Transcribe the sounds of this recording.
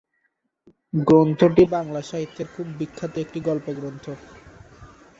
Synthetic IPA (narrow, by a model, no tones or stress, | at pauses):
ɡɾont̪ʰoʈibaŋlaʃaɦit̪ːeɾkʰubːikʰːat̪oek̚ʈiɡɔlpoɡɾont̪ʰo